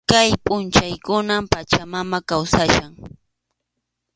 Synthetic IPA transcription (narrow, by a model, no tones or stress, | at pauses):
kajpʼʊnt͡ʃajkʊnampat͡ʃamamakawsaʃaŋ